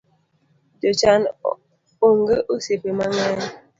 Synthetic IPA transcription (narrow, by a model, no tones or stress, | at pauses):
d͡ʒot͡ʃan | oŋɡəʔusepemaŋɛn